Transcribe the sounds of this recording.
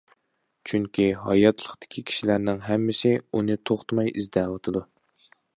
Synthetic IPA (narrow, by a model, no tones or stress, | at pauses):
t͡ʃʰyŋkʲiɦɑjɑt̪ʰlˠəχt̪ɪ̥kʲʰikʲʰi̥ʃilæɾnɪŋɦɛmːɪsɪunɨt̪ʰoχt̪ʰmɑjʔizd̪ɛlɑt̪ʰɨd̪u